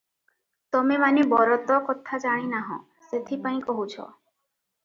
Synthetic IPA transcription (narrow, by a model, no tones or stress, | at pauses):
t̪ɔmemanibɔɾɔt̪ɔkɔt̪ʰad͡ʒaɽ̃inaɦɔ̰̃ | set̪ʰipañĩkoɦut͡ʃʰɔ̰